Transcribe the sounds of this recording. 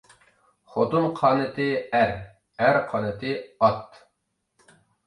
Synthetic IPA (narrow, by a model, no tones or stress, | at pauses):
χot̪unqʰɑːnɨt̪ʰɨæɾ | æɾqʰɑːnɨt̪ʰɨɑt̪